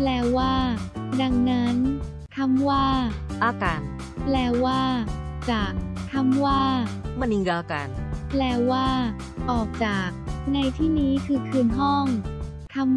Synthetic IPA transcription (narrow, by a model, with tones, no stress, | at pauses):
plɛː˧˥waː˥˩da˧ŋna˦˥n | t̪ʰa˧˥mwaː˥˩ʔaː˧˩ka˧n | plɛː˧˥waː˥˩t͡ɕaː˨˩k̚t̪ʰa˧˥mwaː˥˩ma˧ni˧ŋɡaː˧ka̰ː˧nplɛː˧˥waː˥˩ | ʔɔː˨˩k̚t͡ɕaː˨˩k̚na˧jt̪ʰiː˥˩niː˦˥kʰɯː˧kʰɯː˧nɦɔ˥˩ŋ | t̪ʰa˧˥m